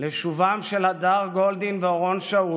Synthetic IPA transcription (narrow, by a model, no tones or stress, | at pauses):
leʃuvamʃelad̪aʁɡo̞ld̪inveoʁo̞nʃau